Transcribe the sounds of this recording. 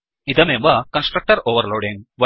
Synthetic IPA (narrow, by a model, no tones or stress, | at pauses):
id̪ɐmemʋɐkɐnsʈɾɐk̚ʈɐɾoːʋɐɾloːɖiŋʋɐ